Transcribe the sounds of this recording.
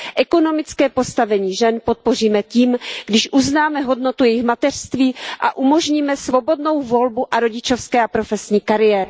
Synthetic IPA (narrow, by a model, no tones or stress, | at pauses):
ʔɛko̞no̞mɪt͡skɛːpo̞st̪avɛɲiːʒɛnpot̪̚po̞riːmɛciːmɡdɪʃʔuznaːmɛɦo̞dnot̪ujɛjɪxmat̪ɛr̥st̪viːʔa̰ʔumo̞ʒɲiːmɛsvo̞bo̞dno̞wvo̞lbuʔaɾoɟɪt͡ʃo̞fskɛːapɾo̞fɛsɲiːkaɾɪjɛːɾɪ